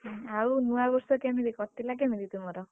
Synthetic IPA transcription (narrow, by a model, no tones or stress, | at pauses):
aunuwabɔɾsɔkemiɾikɔt̪ːilak̬emid̪it̪umɔɾɔ